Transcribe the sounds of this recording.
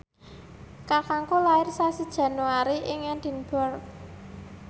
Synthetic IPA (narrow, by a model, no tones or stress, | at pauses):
kakaŋkolaɪrsasid̥ʒ̥ä̤nuaɾiʔɪŋɛnd̪̥i̤nb̥ɔ̤r